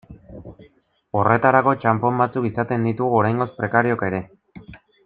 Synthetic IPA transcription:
o̞re̞t̪aɾako̞t͡ʃampo̞mbat͡sukisat̪e̞nd̪it̪uɣuoɾajŋɡo̞spɾe̞kaɾio̞ke̞ɾe̞

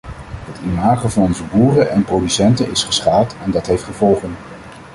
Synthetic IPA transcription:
ɦətimaːχəvɑnɔnzəbuːrəʔɛnprowdysɛntənɪsχə̥sχaːlˠtɛndɑtɦejftχəvɔlˠχən

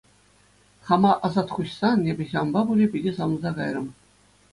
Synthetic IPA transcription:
χɑmɑʔɑzɑt̪χuɕsɑnnʲebʲɘ̆ʑʲɑmbɑbulʲepʲidʲesɑm̆nzɑɡɑjrɤ̆m

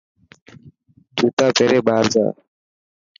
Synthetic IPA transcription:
d̪ʰʱuːt̪aːpʰeːɾeːbaːɾd͡ʒa̰ː

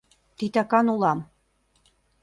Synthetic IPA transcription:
t̪it̪ɑkɑnulɑm

